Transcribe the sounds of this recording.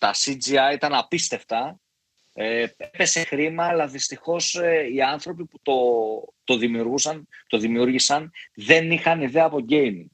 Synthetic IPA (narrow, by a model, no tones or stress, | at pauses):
t̪ɐsid͡ziɐit̪ɐnɐpist̪e̞ft̪ɐ | eepe̞se̞xɾimɐːlɐðist̪ixo̞seiɐnθɾo̞piput̪o̞t̪o̞ðimiuɾɣusɐnt̪o̞ðimiuɾʝisɐnðe̞nixɐniðe̞ɐːpo̞ɟe̞jmiŋ